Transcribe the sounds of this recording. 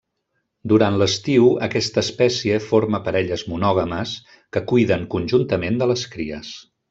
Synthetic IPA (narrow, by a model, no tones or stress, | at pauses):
d̪uɾanləst̪iwəkɛst̪əːspɛsiəfoɾməpəɾɛʎəzmunɔɣ̞əməs | kəkujðəŋkunʲʒunt̪əmend̪ələskɾiə̰s